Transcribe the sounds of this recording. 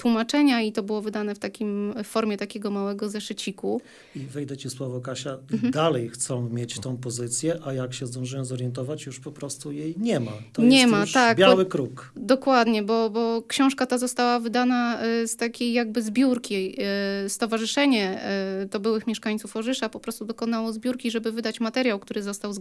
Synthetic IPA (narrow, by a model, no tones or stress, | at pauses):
t̪wumat͡ʂɛɲait̪ɔbɘwɔvɘd̪anɛft̪akʲimfɔɾmʲjɛt̪akʲɛɡɔmawɛɡɔzɛʂɘt͡ɕiku | ivɛjd̪ɛt͡ɕiswɔvɔkaɕad̪alɛjxt̪sɔ̃w̃mʲjet͡ɕt̪ɔ̃w̃pɔzɘt̪sʲjɛʔajakɕɛzd̪ɔ̃w̃ʐɛjɔ̃zɔɾjɛnt̪ɔvat͡ɕjuʂpɔpɾɔst̪ujejɲɛmat̪ɔjɲɛɛmautʂakbʲjawɘkɾukd̪ɔkwad̪ɲɛbɔbɔkɕɔ̃w̃ʂkat̪azɔst̪awavɘd̪anast̪akʲejːaɡ̚bɘzbʲjuɾkʲi | st̪ɔvaʐɘʂɛɲɛt̪ɔbɘwɘxmʲjɛʂkaɲʲt̪sufɔʐɘʂapɔpɾɔst̪ud̪ɔkɔnawɔzbʲjuɾkʲiʐɛbɘvɘd̪at͡ɕmat̪ɛɾjawkt̪uɾɘzɔst̪aw̪